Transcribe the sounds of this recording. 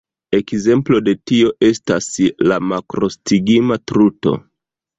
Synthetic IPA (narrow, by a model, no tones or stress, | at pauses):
e̞kze̞mplo̞de̞tio̞ʔe̞staslamakɾo̞stiɡimatɾuto̞̰